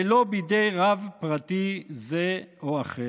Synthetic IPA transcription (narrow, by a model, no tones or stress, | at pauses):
lobid̪ejʁavpʁat̪izeoaχe